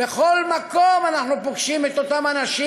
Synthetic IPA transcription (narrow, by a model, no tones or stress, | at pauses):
bexolmakomanaχnupoɡʃimet̪ot̪amanaʃiː